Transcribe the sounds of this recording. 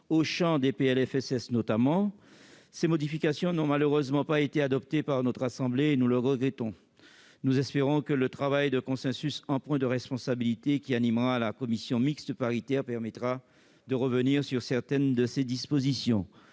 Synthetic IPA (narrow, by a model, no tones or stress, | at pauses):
oʃɑ̃d̪epeɛlɛfɛsɛsnɔt̪amɑ̃ | semɔd̪ifikasjɔ̃nɔ̃maløʁøzmɑ̃paet̪ead̪ɔp̚t̪epaʁnɔt̪χasɑ̃bleːnuləʁəɡʁɛt̪ɔ̃ | nuzɛspeʁɔ̃kələt̪χavajd̪əkɔ̃sɛ̃sysɑ̃pwɛ̃d̪əʁɛspɔ̃sabilit̪ekʲianimʁalakɔmisjɔ̃mikst̪əpaʁit̪ɛʁpɛʁmɛt̪χa | d̪əʁəvəniʁsyʁsɛʁt̪ɛnd̪əsed̪ispozisjɔ̃